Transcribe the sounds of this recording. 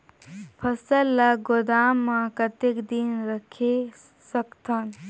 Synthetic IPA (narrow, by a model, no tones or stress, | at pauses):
pʰɐsəlːaɡod̪aːmːãkɐt̪ekd̪inɾəkʰe | səkt̪ʰan